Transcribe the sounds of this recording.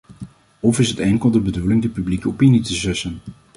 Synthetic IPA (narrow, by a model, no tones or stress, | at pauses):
ɔfɪsɦətɛŋkəlˠdəbədulɪŋdəpyblikəopinitəzɛsən